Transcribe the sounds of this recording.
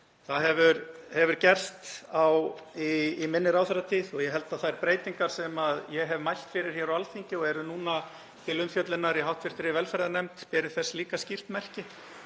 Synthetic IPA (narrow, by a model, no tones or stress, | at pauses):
θaðɦɛvʏɾhɛvʏɾ̥cɛr̥st̪awiːmɪnːɪɾawθɛɾat̪ʰiːðɔɣjɛɦɛl̪t̪aðθaðɾpɾeːjt̪iŋkaɾ̥sɛmaðjɛɦɛvmajl̥t̪fɪɾɪɾ̥hjɛɾawalθiɲcɪɔɣɛɾʏnuːna | t̪ʰɪlʏmfjœt̪lɪnaɾiɦawht̪fɪr̥t̪ɾɪvɛlfɛɾðanɛmt̪pɛːɾɪ̥θɛsːliːkascir̥t̪mɛr̥cɪ